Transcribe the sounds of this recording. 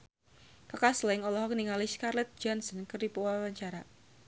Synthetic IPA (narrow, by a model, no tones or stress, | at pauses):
kakaslɪŋɔlɔɦɔk̚niŋaliskarlɛt̪̚d͡ʒɔnsɔnkɨrdipowawaɲt͡ʃaɾa